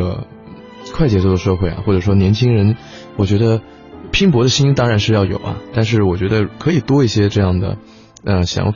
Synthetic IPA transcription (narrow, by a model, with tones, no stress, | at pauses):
ə̰˩ | kʰwa˥˩ɪt͡ɕjɛ˧˥t͡swɔ˥˩d̪ə˩ʂɤ˥˧xwe˥˩ɪ̰˨˩xwɔ˥˩ʈ͡ʂɤ˨˩ʂwɔ˥njɛ˧˥nt͡ɕʰi˥ŋɻə˧˥n | wɔ˨˩t͡ɕɥɛ˧˥d̪ə˧ | pʰi˥ŋpwɔ˧˥d̪ə˧ɕi˥ni˥t̪ɑ˥ŋɻa˧˥nʂɻ̩˥˧jɑ˥˩ʊjo̰˨˩ʊɐ̰˦t̪a˥˧nʂ̬ɻ̩˥˩wɔ˨˩t͡ɕɥɛ˧˥d̪ə˧kʰɤ˧˥i˨˩t̪wɔ˥i˥˩ɕjɛ˥ʈ͡ʂɤ˥˧jɑ˥˩ŋd̪ə̰˩ | ə˧ɕjɑ̰˧˥ŋf